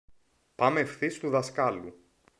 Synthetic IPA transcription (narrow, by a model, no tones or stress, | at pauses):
pɐme̞fθist̪uðɐskɐlu